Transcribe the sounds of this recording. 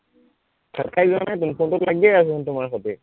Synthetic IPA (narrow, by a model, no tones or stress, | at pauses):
kʰakʰajbianajt̬unpʰɔntʊtlaɡiɛjasɛntʊmaɹxɔtɛ̰